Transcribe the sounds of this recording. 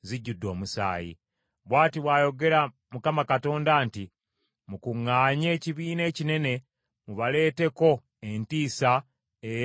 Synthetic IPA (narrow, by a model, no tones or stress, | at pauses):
ziɟːudːo̞ːmusa̰ːjḭ | βwaːtiβwaːjo̞ɡe̞ɾa | mukamakato̞ːndaːnti | mukuŋːaːɲe̞ːciβiːne̞ːcine̞ne̞ | muβale̞ːte̞ko̞ | entiːsa | e